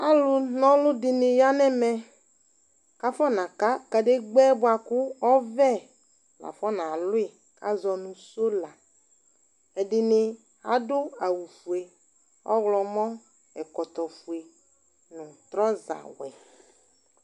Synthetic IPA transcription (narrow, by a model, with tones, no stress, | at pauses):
a˦lʊ˨nɔ̃˦lʊ˦dɪ˨nɪ˨ja˦nɛ˦mɛ˨ | ka˦fɔ˦nã˨ka˦ka˨de˦ɡ͡bɛ˦bʊ˦a˨kʊ˦ɔ˦vɛ˦˨ | la̰˨fɔ˦nã˨lʊ˦ɪ˦ | ka˦zɔ˨nʊ̃˨so˦la˨ | ɛ˨dɪ˨nɪ˨ | a̰˨dʊ˦a˨wu˨fu˨e˨ | ɔ̰˦ɣlɔ˨mɔ̃˦ | ɛ˨kɔ˨t̪ɔ˨fu˨e˨ | nʊ̃˨t̪ɾɔ˦za̰˨wɛ̰˨